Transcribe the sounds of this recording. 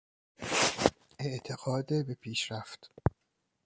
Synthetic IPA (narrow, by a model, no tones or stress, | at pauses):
eʔt̪ʰeɡɒːd̪ebepʰiːʃɾæft̪